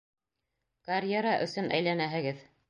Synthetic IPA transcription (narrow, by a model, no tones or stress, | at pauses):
kɐrʲjeɾɑʔɵ̰̆sɵnʔæ̰jlænæɦɘ̆ɡɘð